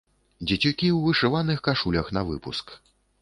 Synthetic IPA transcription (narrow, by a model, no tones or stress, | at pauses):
d͡zʲɛt͡sʲukʲiwvɨʂɨvanɨxkaʂulʲɐxnɐvɨ̰pusk